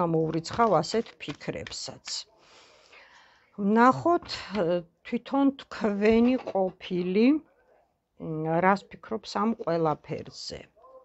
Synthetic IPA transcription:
amɔvɾit̪sʰχavasɛt̪ʰpʰikʰɾɛ̰psat̪sʰ | vnaχɔt̪ʰt̪ʰwit̪ʰɔnt̪ʰkʰvɛniqʼɔpʰili | ɾaspʰikʰɾɔpsamqʼwɛlˠapʰɛ̰ɾz̥ɛ̰

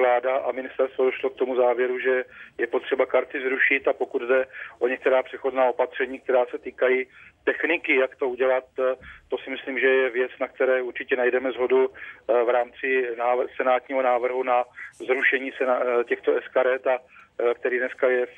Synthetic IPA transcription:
vlaːdaʔamɪnɪst̪ɛɾst̪vodoʃlo̞k̚t̪o̞muzaːvjɛɾuʒɛjɛpo̞t̪r̥ɛbakaɾt̪ɪzɾuʃɪt̪apo̞kud̪dɛʔo̞ɲɛkt̪ɛɾaːpr̝̥ɛxoznaːo̞pat̪r̝̥ɛɲiːk̚t̪ɛɾaːsɛt̪iːkajiːt̪ɛxnɪkɪjakt̪o̞uɟɛlat̪ːo̞sɪmɪsliːmʒɛjɛvjɛt͡snak̚t̪ɛɾɛːuɾt͡ʃɪcɛnajdɛmɛzɦo̞duvɾaːmt͡sɪnaːsɛnaːt̪ɲiːɦo̞naːvr̩ɦunazɾuʃɛɲiːsɛnacɛxt̪oɛskaɾɛt̪akt̪ɛɾiːdnɛskajɛ

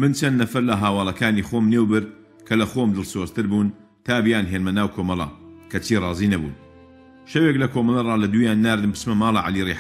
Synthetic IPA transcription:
mɨnt͡ʃʰɐnːɐfɐɾlɐɦaːwɑːlˠɐkaːniːxoːmneːwbɨɾd̪̚ | kʰɐlɐxoːmd̪ɨlˠsoːzt̪ɨɾbuːn | t̪aːbijaːnɦeːnmɐnaːwkʰoːmɐlˠɑ̰kʰɐt͡ʃʰiːrˤɑːziːnɐbṵːn | ʃɐweːklɐkʰoːmɐlˠɐrˤɑːlɐd̪uːjaːnːaːɾd̪ɨmbɨ̥smɐmaːlˠɑʕa̰liːɾiːħ

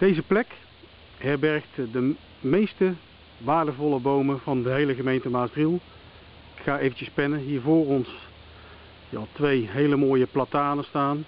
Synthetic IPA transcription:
d̥ejzəplɛk | ɦɛɹbɛɹktdə | mejstə | ʋaːɹdəvɔlˠəbowməvɑndəɦejləɣəmejntəmaːsrilˠ | ɪkχaːejvəncəspɛnənɦiːɹvoːrɔns | ja̰lˠtʋejɦejləmoːjəplataːnəstaːn

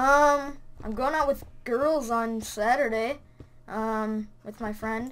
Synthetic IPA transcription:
ʌ̃mʔã̰ɪ̃mɡoʊɪ̃ŋaʊt̚wɨðɡ̥ɜ˞lˠzn̩sæɾə˞ɾeɪ | ʔʌ̃mwʔɨðmaɪfɹɛ̃nd̥

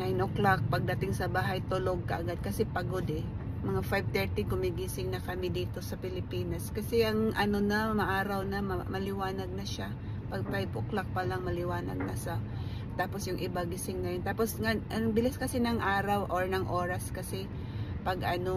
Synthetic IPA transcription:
nanoklak̚pɐɡ̚d̪ɐt̪ɪŋsɐbaːɦajt̪ʊloɡ̚kɐ̰ʔɐɡad̪̚kɐsɛpɐɡo̞d̪ɛmɐŋafajb̚t̪ɛɹt̪ɪkʊmɪɡisɪŋnɐkɐmɪd̪iːt̪o̞sɐpɪlɪpiːnɐskɐsɛʔɐŋʔɐno̞nɐɐmaʔaːɾawnɐmmɐlɪwaːnɐɡ̚nɐʃa | pɐɡ̚fajboklak̚pɐlaŋmɐlɪwaːnɐ̰ɡ̚nɐʃa | t̪aːpo̞sjʊŋʔɪbaɡɪsɪŋnɐjo̞nt̪aːpo̞sŋaʔɐnɐŋbɪlɪskɐsɪnɐŋʔaːɾawʔoɹnɐŋʔoːɾaskɐsɛ | pɐɡʔɐno

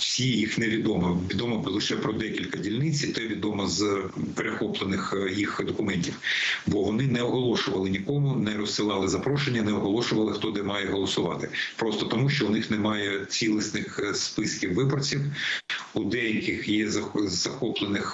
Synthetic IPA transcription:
wsʲijixneʋʲid̪ɔmɐʋʲid̪ɔmɐlˠɪʃɛpɾɔd̪ɛkʲilʲkɐdʲilʲnɪt͡sʲt̪ɛʋʲid̪ɔmɐzpeɾexɔplˠenɪxjixd̪ɔkʊmɛnʲtʲiwbɔʋɔnɪnɛɔɦɔlˠɔʃʊʋɐlˠɪnʲikɔmʊnɛɾɔssɪlˠɑlˠɪzɐpɾɔʃenʲːɐnɛɔɦɔlˠɔʃʊʋɐlˠɪxt̪ɔd̪ɛmɑjɛɦɔlˠɔsʊʋɑt̪ɪpɾɔst̪ɔt̪ɔmuʃt͡ʃɔʊnɪxnɛmɑjɛt͡sʲilˠɪsnɪxspɪskʲiwːɪbɔrt͡sʲiwud̪ɛjɐkɪxjɛzɐzɐxɔplˠenɪx

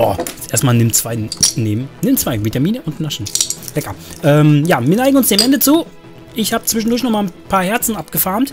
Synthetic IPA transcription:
ɔ̰ːʔeːɐstmaːlnɪmt͡sv̥aɪneːbm̩nɪmt͡sv̥aɪvitamiːnəʔʊntnaʃn̩lɛkɐʔɛːmjaːviːɐnaɪɡŋ̩ʊnsd̥eːmʔɛndət͡suː | ʔɪçhaːbət͡sv̥ɪʃ̬n̩dʊɐçnɔχmaːlnpʰaːɐhɛɐt͡sn̩ʔapɡ̥əfaɐmt

